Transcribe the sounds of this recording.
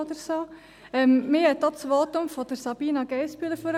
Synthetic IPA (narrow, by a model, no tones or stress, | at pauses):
od̪əɾsoː | ɛmːɪhɛt̪̚d̥̪ɑːt͡sʋoːtʊmfod̥əɾsɑb̥iːnɑɡ̥ɛɪspyːləføɾ